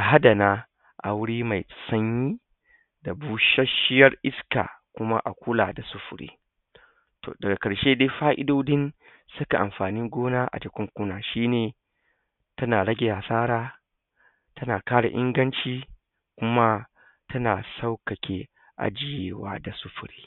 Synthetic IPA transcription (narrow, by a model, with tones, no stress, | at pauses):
ʔa˨ɦa˦dɐ˨naː˦ | ʔa̰˨wʊ˦ɽiː˦ma˨jsɐ˦ɲjiː˦ | da˨buː˦ʃɐ˦ʃɪ˦jɐ˦rʔɪ˦ska̰ː˨kʷʊ˦ma˦ʔa˨kʷʊ˦la̰ː˨da˨sʊ˦ɸʊ˨ɽḭː˦ | to̰ː˨dɐ˨ɡa˨kɐ˨ɽʃeː˦deː˦ɸaː˦ʔɪ̰˦doː˦dɪ˦n | sʊ˦ka˨ʔa˨mɸaː˨ni˦ŋɡʷoː˦naː˦ʔa̰˨d͡ʒɪ˨kʷʊ˦ŋkʷʊ˦naː˨ʃiː˦neː˨ | tɐ˦naː˨ɽɐ˦ɡʲe˨haː˨saː˦ɾaː˦ | tʰɐ˦naː˨kaː˦ɽa̰˨ʔɪ˦ŋɡɐ˦nt͡ʃiː˦ | kʷʊ˦ma˦ | tʰɐ˦naː˨sa˦wkɐ˨kʲʰe˦ | ʔa̰˨d͡ʒɪ˦jeː˦wa̰ː˦da˨sʊ˦ɸʊ˨ɾiː˦